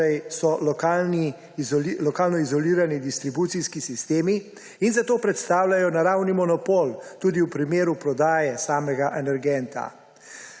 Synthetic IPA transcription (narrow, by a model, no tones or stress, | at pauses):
ɛjsɔlɔkaːlni | lɔkaːlnɔizɔliːɾanid̪ist̪ɾibut̪siskisist̪eːmiː | nzat̪oːpɾɛt̪st̪aːwlʲajɔnaɾawnimɔnɔpoːlt̪uːd̪iwpɾimeːɾupɾɔd̪aːjɛsaːmɛɡaʔɛnɛɾɡɛnt̪a̰